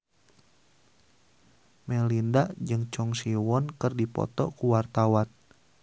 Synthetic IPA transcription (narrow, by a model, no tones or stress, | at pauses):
mɛlindaʔd͡ʒɨŋt͡ʃɔŋsiwɔnkərdipɔ̰t̪ɔ̰kuwart̪awan